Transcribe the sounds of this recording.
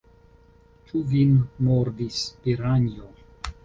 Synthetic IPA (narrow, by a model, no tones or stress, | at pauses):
t͡ʃuvinːoɾd̪ispiɾaɲjo